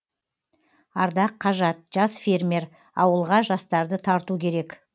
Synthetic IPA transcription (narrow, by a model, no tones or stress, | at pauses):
ɑɾd̪ɑqʰːɑʒɑt̪̚ʒ̥ɑsfʲeɾme̞ɾ | ɑwəlˠʁɑʒɑst̪ɑɾd̪ət̪ʰɑɾt̪ukʲʰe̞ɾe̞k